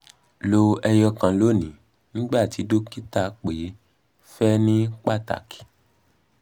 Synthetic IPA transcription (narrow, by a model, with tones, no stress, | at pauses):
lo˧ɛ˧jɔ˧kã˨lo˨˦˨nĩ˨ | nĩ˦ɡ͡ba˦˨ti˨˦do˦ki˦ta˦k͡pe˨˦ | fɛ˦nĩ˦k͡pa˦˨ta̰˨ki̥˨